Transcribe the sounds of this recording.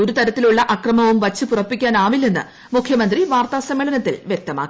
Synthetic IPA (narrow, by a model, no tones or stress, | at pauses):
oɾut̪ɐɾɐt̪ːiluɭːɐʔɐkrɐmɐʋumʋɐt͡ɕːɨpurɐpːikʲːaːnaːʋilːenːɨ̰ | mukʰjɐmɐnd̪riʋaːrt̪aːsɐmːeɭɐnɐt̪ːilʋjek̚t̪ɐma̰ːkːi